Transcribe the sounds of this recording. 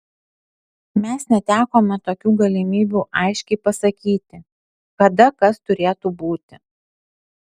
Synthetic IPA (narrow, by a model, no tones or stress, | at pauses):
mʲɛsnʲɛt̪ʲæːkoːmʲɛt̪oːkʲuːɡɐlʲɪmʲiːbʲuːʔɐɪʃʲkʲɛɪpɐsɐkʲiːt̪ʲɪ | kɐd̪ɐkɐst̪ʊɾʲeːt̪uːbuːt̪ʲɪ